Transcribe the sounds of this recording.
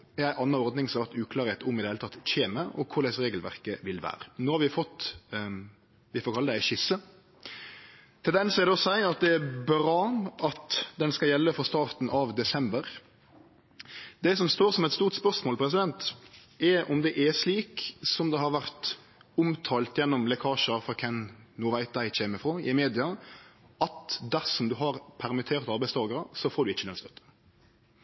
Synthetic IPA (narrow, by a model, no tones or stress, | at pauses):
æɾæɪʔɑnːɑɔɾd̪nɪŋsɔɑʋæɾt̪ʉːkʰlɑːɾeɪt̪ʊmɪd̪əhelt̪ʰɑt̪ːçeːməʔɔ̰kʰʊɾæɪsɾeːɡəlʋæ̰ɾkəʋɪlʋæ̰ːɾənoːhɑɾʋɪfɔt̪ː | ʋɪfɔːkʰɑləd̪æɪʃɪsːə | t̪ʰɪld̪ɛnsɔɛd̪ɛɔsæɪɑt̪̚d̪ɛæbɾɑːɑt̪d̪ɛnskɑljɛlːəfɔst̪ɑːʁt̪n̩ʔɑʋd̪ɛsɛmbəɾ | d̪ɛsɔmst̪oːɾsɔmɛɪt̪st̪uːɾt̪spœɾsmoːlpʰɾɛs̬ɪd̪ɛnt̪ | ɛʔɔmd̪ɛʔæʂliːksɔmd̪ɛɦɑɾʋæɾt̪ | ʊmt̪ʰɑːlt̪jɛnːɔmlɛkʰɑːʂəfɔkʰɛnnuːʋæɪt̪̚d̪æɪçeːməfɾoːɪmeːd̪ɪɑ | ɑt̪d̪æɾsɔmd̪ʉɦɑɾpʰæɾmɪt̪ʰeːɾt̪ɑɾbæɪst̪ʰɑːɡəɾəsɔfɔːɾɖ̪ʉɪçːəlœnst̪œt̪ːə̥